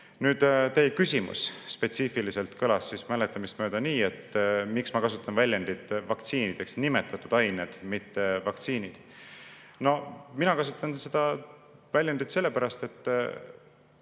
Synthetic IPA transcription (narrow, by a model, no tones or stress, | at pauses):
nyːd̪̥t̪e̞jkysʲimṵsspe̞t̪sifilise̞lt̪kʰølɑsːismælet̪ːˑɑmist̪mø̞ːd̪̥ɑniːe̞t̪ːmiksmɑkɑsut̪ːˑɑnvælʲjænd̪̥it̪ˑvɑkt̪siːnid̪̥e̞ksnime̞t̪ːˑɑt̪ːud̪̥ɑjned̪̥mit̪ːe̞vɑkt̪siːnid̪̥ | no̞minɑkɑsut̪ːˑɑnse̞d̪ɑvælʲjænd̪̥it̪se̞lːe̞pæɾɑst̪e̞t̪ˑː